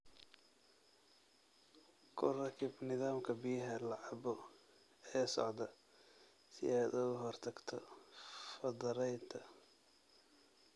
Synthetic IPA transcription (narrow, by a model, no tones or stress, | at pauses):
kʰʊ̰rɐkʰɪbnɪðaːmkʰɐbɪjɐɦɐlɑʕɑbɔ | ɛːsɔ̰ʕd̪ɐ | sɪ̰ʔɛːd̪ʊɣʊɦɔrt̪ʰɐɡt̪ʰɔfɐðɐɾɛjnt̪ʰɐ